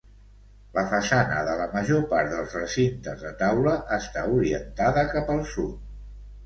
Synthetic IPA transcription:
ləfəsanə̰ðələməʒopaɾt̪̚d̪əlˠzrəsint̪əzðət̪awləʔəst̪auɾiənt̪aðəkapəlˠsut̪̚

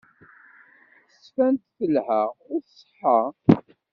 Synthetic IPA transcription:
θəsfænt̪θəlhæʁʊɾsˤħɑ

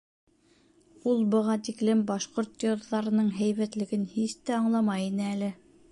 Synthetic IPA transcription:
ulˠbɤ̆ʁɑt̪iklɘmbɑʃqoɾt̪jŏɾðɑɾɤ̆nɤɴɦæjβæt̪lɘ̆ɡɘnhist̪æɑɴlˠɑmɑjinɘælɘ

